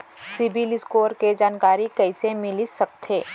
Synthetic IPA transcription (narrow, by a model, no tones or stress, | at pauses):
sɪbʱilɪskoːɾked͡ʒaːnkaːɾikɐɪsemɪlisɐk̚t̪ʰeː